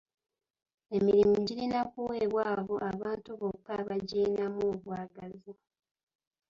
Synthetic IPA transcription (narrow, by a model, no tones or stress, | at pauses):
e̞miɾimuɟiɾinakuwe̞ːβwaːβoʔaβaːntuβo̞kːaβaɟeːnamuːβwaːɡazi